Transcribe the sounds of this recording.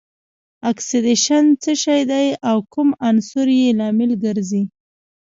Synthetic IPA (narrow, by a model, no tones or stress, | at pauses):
aksɪd̪eʃant͡səʃɑjd̪ajawkumansʊɾjelɑmɪlɡəɾzi